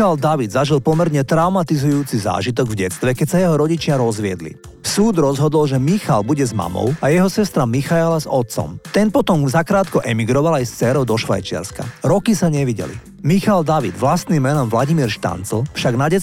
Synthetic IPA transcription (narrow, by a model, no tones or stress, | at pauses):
ald̪aʋid̪zaʒilpɔmɛɾɲɛt̪ɾaʊmat̪izujuːt͡siza̰ːʒit̪ɔɡvɟɛt͡st̪ʋɛkɛcsajɛɦɔɾɔɟit͡ʃɪaɾɔzʋɪɛd̪lḭ | suːd̪ɾɔzɦɔd̪ɔlʒɛmixa̰lbuɟɛzma̰mɔ̰ʊajɛɦɔsɛst̪ɾamixajɛlazɔt̪̚t͡sɔ̰mt̪ɛnpɔt̪ɔmzakɾaːt̪kɔʔɛmiɡɾɔʋalajst͡sɛːɾɔʊd̪ɔʃʋa̰jt͡ʃɪa̰ɾska̰ɾɔkisaɲɛʋiɟɛ̰lḭ | mixald̪aʋid̪ʋlast̪nimːɛnɔmʋlaɟimiːɾʃt̪a̰nt͡sl̩fʃaɡnaɟɛ